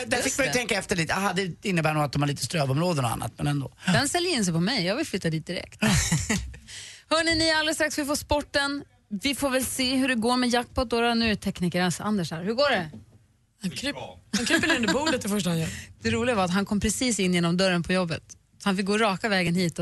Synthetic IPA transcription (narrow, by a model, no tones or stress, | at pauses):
d̪æfɪk̚majʏt̪ʰɛŋkaɛft̪əɭiːt̪ɦad̪ɛɪnːəbæːnuːat̪̚d̪ɔmaɭiːt̪əst̪ɾøːvɔmɾoːd̪ənɔ̰a̰nːa̰t̪mɛ̰nɛnd̪o̰ːd̪ɛnsɛljəɪns̬ɛpʰɔmɛjjɑːɡvɪlflʏt̪ːad̪iːt̪̚d̪ɪɾɛ̰k̚t̪ | hœːɳɪnɪald̪əst̪ɾaktsvɪfoːspɔʈːən | vɪfoːɾvɛlseːɦɵɖɛɡoːɾmɛjak̚ːt̪̚pʰɔt̪d̪oːɾanʉ̟ːɾɛt̪ʰɛkniːkəɾasa̰nd̪əʂhæːɾhɵɡoːɖɛ | hakʰɾhankʰɾpːəlɛnd̪əbuːd̪ət̪̚d̪ɛfœʂʈaanjd̪̥ɛɾuːlɪɡavaɾat̪ɦankʰɔmːpʰɾɛsiːsɪnːjeːnɔmd̪œɾənpʰɔjɔbːə̰t̪ | sɔhanfɪk̚ɡoːɾɑːkavɛːɡənɦiːt̪